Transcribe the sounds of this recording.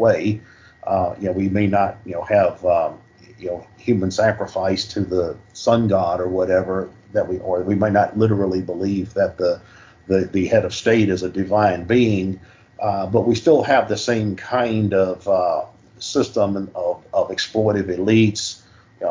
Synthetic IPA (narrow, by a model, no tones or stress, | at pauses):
weɪ | ʔjɨnʊwimeɪnət̚jɨnoʊɨv | jɨnoʊhjʉmə̃nsækɹəfaɪstʰɨðəsʌ̃nɡɑɾə˞wʌɾɛvə˞ | ðɨt̚wiʔə˞wimeɪnətˡlɪɾə˞l̩ˠibəlivðɨt̪̚ðə | ðɨðɨhɛɾʌv̥steɪɾɨzɨdɨvãɪ̃nbiɪ̃ŋ | bʌt̚wistɪlˠɨvðɨsẽɪ̃mkʰãɪ̃ndʌv̥ | sɪstə̃mʌvʌvɨksplɔɹɾɨɾɨlits